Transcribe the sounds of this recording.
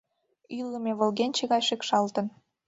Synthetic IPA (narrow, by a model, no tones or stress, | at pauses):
ylːə̆meβə̆lɣenʲt͡ɕeɣɑjʃekʃɑlt̪ə̆n